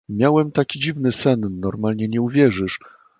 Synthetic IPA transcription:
mʲjawɛmt̪akʲid͡ʑivnɘsɛnːɔɾmalɲɛɲɛuvʲjɛʐɘʂ

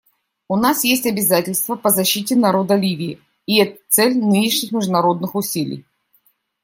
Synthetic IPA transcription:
ʊnasjesʲtʲɐbʲɪzatʲɪlʲst̪vəpəzɐɕːitʲɪnɐɾo̞d̪əlʲivʲɪɪ | ɪɛt̪ət̪sɛlʲnɨnʲɪʂnʲɪxmʲɪʐd̪ʊnɐɾo̞d̪nɨxʊsʲilʲɪ̰j

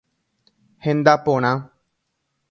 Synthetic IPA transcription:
hɪ̃nd̪aːpoːɳ̃ãː

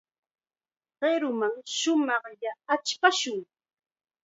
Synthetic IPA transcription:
ɢeɾʊmaŋʃʊmɑχʎaːt͡ʃpaʃʊŋ

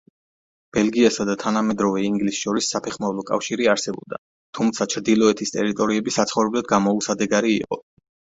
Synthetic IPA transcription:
b̥ɛlɡiasad̪at̪ʰanamɛd̪ɾɔvɛiŋɡlisʃɔɾisːapʰɛχmavlˠɔkʼa̰fʃiɾiaɾsɛbɔ̰b̚d̪a̰ | t̪ʰumt̪sʰat͡ʃʰɾd̪ilˠɔɛt̪ʰist̪ʼɛɾit̪ʼɔɾiɛbisat̪sʰχɔvɾɛblad̪̚ɡamɔusad̪ɛɡaɾiḭqʼɔ

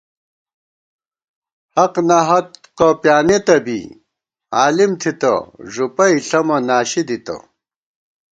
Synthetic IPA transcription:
hɐqnɐɦɐt̪̚qopjaːnet̪ɐbḭ | aːlimt̪ʰit̪ɐ̰ʐupɐiɬɐmɐnaːɕid̪it̪ɐ̰

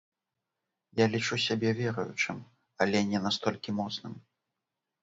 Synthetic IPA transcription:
jalʲit͡ʂusʲabʲɛvʲɛɾɐjṵt͡ʂɨm | ɐlʲɛnʲɛnast̪ɔlʲkʲimɔt̪snɨm

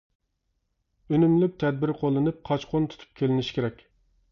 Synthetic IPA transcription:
ønymlyp̚t̪ʰɛd̪̚bɪɾqʰolˠːɨnɨp̚qʰɑt͡ʃqʰont̪ʰu̥t̪ʰu̥p̚kʲʰelɪnɪʃi̥kʲʰeɾɛkʲ

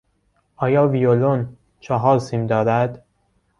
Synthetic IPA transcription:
ʔɒːjɒːvijolon | t͡ʃʰɒɦɒːɾsiːmd̪ɒːɾæd̪̥

